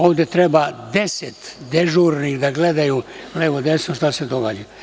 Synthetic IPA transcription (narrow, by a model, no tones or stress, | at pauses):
oːʋd̪et̪ɾebad̪eset̪d̪eʒuːɾnid̪aɡled̪ajuleʋod̪esnoʃt̪ased̪oɡaːd͡ʑa